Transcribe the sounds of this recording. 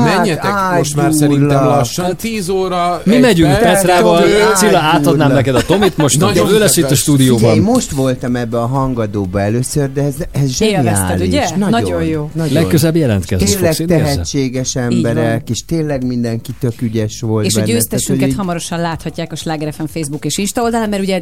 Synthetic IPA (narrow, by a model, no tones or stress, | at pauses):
aɛɲːɛt̪aːʃmaːusɛɾilːɛlɒʃːɔnt̪iːzoːɾɒmimɛɟyŋkpɛsɾaːvɔlːsilːɒaːt̪ɒd̪naːmnɛkɛd̪ɒt̪o̞mit̪moʃt̪d̪ɛøːlɛʃiːɔʃt̪uːd̪ijoːɔnːeːmmo̞ʃt̪ʋo̞lt̪ɒmɛbːɛɒɦɒŋɡɒd̪oːbɒɛløːsørd̪ɛɛzɛzʒɛnia̰ːliʃnɒojjoːnɒlɛøzɛbːijɛlɛ̰nt̪kɛ̰zt̪eːnllɛkt̪ɛɦɛt͡ʃːeːɡɛʃɛmmbɛɾɛkkeːʃt̪eːnlɛɡmind̪ɛŋkit̪økyɟɛʃʋo̞lteʃbɛɟøːst̪ɛʃykɛt̪hɒmɒɾo̞ʃɒnlaːt̪hɒcːaːkɒʃlaːɡɛɾɛfɛɱfeːjzbukeːʃinʃt̪ɒold̪ɒlaːmːɛɾuɟɛ